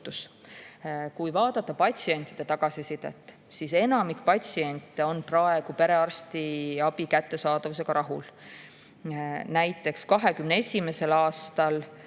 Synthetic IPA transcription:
t̪us | kujvɑːd̪̥ɑt̪ːˑɑpɑt̪ʲsie̞nʲt̪ˑid̪et̪ɑɡ̥ɑsisid̪̥ḛt̪ːˑ | sise̞nɑmikpɑtʲsie̞nʲt̪o̞nprɑe̞ɡ̥upe̞ɾe̞ɑrst̪iɑb̥ikæt̪ːe̞sɑːd̪̥ɑvuse̞ɡ̥ɑɾʔɑɦul | næjt̪ːˑe̞kskɑɦe̞kymneesʲime̞se̞lɑːst̪ɑl

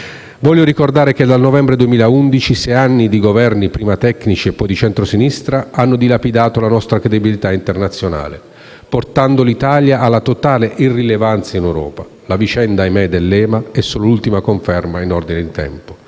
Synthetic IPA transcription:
vɔʎːjoɾikord̪aːɾek̟ed̪alnɔvɛmbɾed̪uemiːlaund̪it͡ʃisɛanːid̪iɡovɛrnipɾiːmat̪ɛkːnit͡ʃiepːɔjd̪it͡ʃɛnt̪ɾosinist̪ɾaanːod̪ilapid̪aːt̪olanɔst̪ɾakɾed̪ibilit̪aint̪ernat̪sːjona̰ːlḛ | port̪and̪olit̪aːljaːlːat̪ot̪aːleʔirːilevant̪sainewɾɔ̰ːpa | lavit͡ʃɛnd̪ajmɛjd̪elːɛːmaɛsːoːlolult̪imakoɱfɛrmainɔrd̪ined̪it̪ɛ̰mpo

